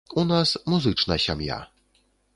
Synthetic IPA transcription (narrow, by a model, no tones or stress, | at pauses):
unasmuzɨt͡ʂnaɕamja̰